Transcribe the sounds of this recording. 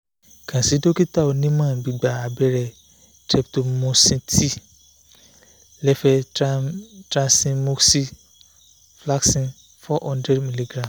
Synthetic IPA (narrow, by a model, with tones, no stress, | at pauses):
kʰã˨si˨˦do˦ki˦ta˦˨o˧nĩ˦mã˦˨bi˨ɡ͡ba˨a˨bɛ˧ɾɛ˨ | tɛ˧pto˧mõ˧sĩ˧tʰi˦ | lɛ˦fɛ˧ | tɾã˧nsĩ˧mo˦ksi˦ | fla˦ksĩ˧ | fɔ˦ʔɔ̃˧ndɾɛ˦dmĩ˧˨li˧ɡɾã˨m